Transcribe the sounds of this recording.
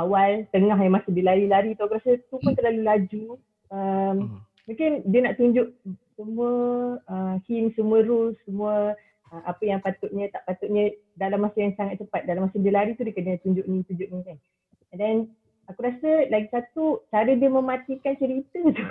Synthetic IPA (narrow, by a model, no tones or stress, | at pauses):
ʔawalt̪əŋaɦjamasədiəlaɾilaɾit̪uakuɾasət̪upʊnt̪əɾlalulad͡ʒu | əm | muŋkɪndiənaʔt̪uɲd͡ʒʊʔsəmũəəhinsəmũəɾusːəmũə | əmʔapəjaŋpat̪ʊʔɲə̃t̪aʔpat̪ʊʔɲə̃dalamːasəjaŋsaŋat̪̚t͡ʃəpat̪̚dalamasədəlaɾit̪udəkənət̪uɲd͡ʒʊʔinit̪uɲd͡ʒʊʔ̚muŋkan | dɛn | akuɾasəlaɡisat̪ut͡ʃaɾədiəmə̃mat̪ikant͡ʃəɾit̪ət̪u